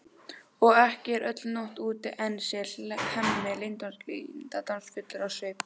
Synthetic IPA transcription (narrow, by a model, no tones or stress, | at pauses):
ɔɣɛhcɪɛɾʔœt̪lnoht̪uːt̪ɪʔɛnsɛlhɛmmɛlɪnt̪onsklint̪at̪awnsfʏt̪lɪɾawsep